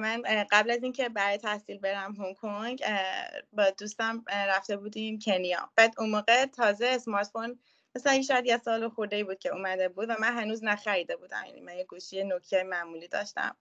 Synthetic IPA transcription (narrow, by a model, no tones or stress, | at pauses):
mænɢæblæziːncʰe̞bæɾet̪ʰæhsiːlbe̞ɾæmɦoŋkʰoŋɡ | bɒːd̪ust̪æmɾæft̪e̞buːd̪imcʰe̞nijɒ̰ːb̥æːd̪unmoːɣet̪ʰɒːzeːsmɒːɾt̪fon | mæsælæjeʃɒjæd̪jesɒːloxoɾd̪eibuːd̪̚cʰe̞uːmæd̪e̞buːd̪væmænɦænuːznæxæɾiːd̪e̞buːd̪æ̰mjæ̰nḭmænjeɡuʃijenocʰt̪ʰejemæmuliːd̪ɒ̰ːʃt̪æ̰m